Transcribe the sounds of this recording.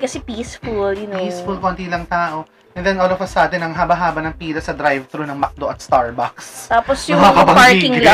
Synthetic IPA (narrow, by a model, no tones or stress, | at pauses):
kɐsɛpiːsfuljʊnisfulkont̪ilɐŋt̪aːʔo̞ | ʔɛnd̪ɛnʔoːlovɐsaːt̪ɪnɐŋɦabɐɦaːbɐnɐŋpiːlɐsɐd̪ɾajvt̪ɾunɐŋmɐk̚d̪oʔɐt̪̚st̪aɹbɐkst̪aːposjɐakɐbɐɡpaɹiːɪŋa